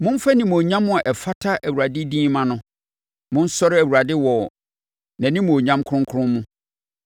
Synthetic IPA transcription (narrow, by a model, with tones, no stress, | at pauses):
mʊ̃˦m˦fa˦nĩ˨m˨o˨ɲã˦mːʊ̃˦a˨ʔɛ˨fa˦tʰa˦ʔæ˨wu˨ɾa˨dɪ˦dĩː˦mã˨nʊ̃˦ | mʊ̃˦n̩˦sɔ˦ɾɪ˦æ˨wu˨ɾa˨dɪ˦wɔ˨ | nã˨nɪ̃˦mũ˨o˨ɲã˦mkʰʊ˦ɾʊ̃˦ŋ˦kʰʊ˦ʊ̃˦mmũ˦